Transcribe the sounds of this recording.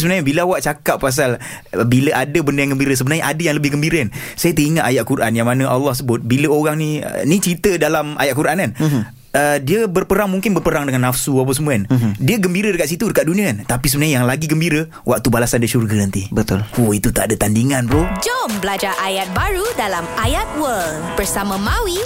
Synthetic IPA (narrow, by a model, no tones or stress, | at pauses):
səbənaɲabilawaʔ̚t͡ʃakap̚ːpas̬al | biləʔadəbəndəjaŋɡəmbiɾəs̬əbənarɲaʔadajaŋləbɪhɡəmbiɾəansajət̪əiŋat̪ajaʔ̚kuɾʔanjaŋmanãʔalːɑhsəbʊt̪̚biləoɣaŋnḭnit͡ʃɾit̪ədalamʔa̰jaʔkuɾʔankan | ədiəbərpəɾaŋmuŋkɪnbərpəɾaŋdəŋanːafsuap̬asəmuandiəɡəmbiɾədəkat̪ʔ̪sit̪udəkat̪̚dunĩəkant̪apis̬əbənaɲajaŋlaɡiɡəmbiɾə | wa̰k̚t̪ubalasandiʃurɡənant̪ibət̪ʊloit̪ut̪a̰ʔdət̪andiŋanpɾod͡ʒɔmbəlad͡ʒaʔajat̪̚baɾudalamajat̪̚wəl | bərsamãmawi